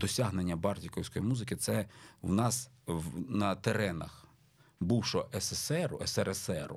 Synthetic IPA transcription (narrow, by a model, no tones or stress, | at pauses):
d̪ɔsʲaɦnenʲːɐbɑrtʲikɔwsʲkɔjimuzɪkɪt̪sɛwnɑswnɐt̪eɾɛnɐ̰x | buwʃɔʔɛsesɛɾʊɛsɛɾesɛɾʊ̰